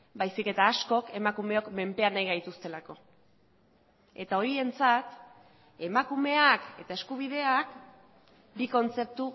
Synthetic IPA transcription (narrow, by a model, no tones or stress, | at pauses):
bajsike̞t̪aːsko̞ke̞makume̞o̞kme̞mpe̞anajɣajt̪ust̪e̞lako̞ | e̞t̪ao̞ɾie̞nt͡sat̪ | e̞makume̞ake̞̰t̪ae̞skuβ̞ið̞e̞ak | biko̞nt͡se̞p̚t̪u